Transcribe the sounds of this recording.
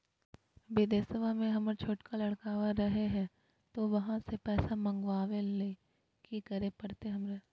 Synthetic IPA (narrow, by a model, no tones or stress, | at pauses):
bɪd̪eːsəʋamẽɦɐməɾt͡ʃʰoːʈkalɐɽkaːʋaɾɐɦeɦɛ̃ː | t̪oʋɐɦãsepɛːsamɐ̃ŋɡʋaːʋele | kikɐɾepɐɽt̪eɦɐmɾe